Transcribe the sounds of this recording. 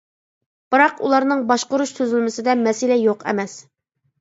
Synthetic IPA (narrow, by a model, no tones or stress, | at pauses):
b̥ɨɾɑqṵlˠɑɾnɨŋbɑʃqʊɾuʃsøzɪlmɪsɪd̪ɛmɛsɪlɛjoqʰɛ̰mɛs